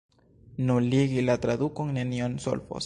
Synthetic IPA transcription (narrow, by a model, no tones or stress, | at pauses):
nuliɣilat̪ɾaðukoŋnenjonso̰lfo̰s